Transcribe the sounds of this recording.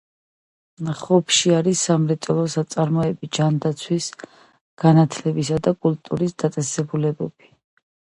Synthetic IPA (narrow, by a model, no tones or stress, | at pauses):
χɔpʰʃiaɾisːamɾɛt̪sʼɔlˠɔsat̪sʼaɾmɔɛbid͡ʒand̪at̪sʰwis | ɡ̥anat̪ʰlɛbisad̪akʼult̪ʼuɾisd̪at̪sʼɛsɛbulɛbɛb̥i